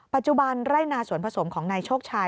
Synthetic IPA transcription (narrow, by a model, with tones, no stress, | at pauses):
pa˨˩t̪̚t͡ɕu˧ba˧nɾaː˥˩jnaː˧suː˨˩˦ənpʰa˧so˩˦mkʰɔː˩˦ŋnaː˧jt͡ɕʰoː˥˩k̚t͡ɕʰaː˧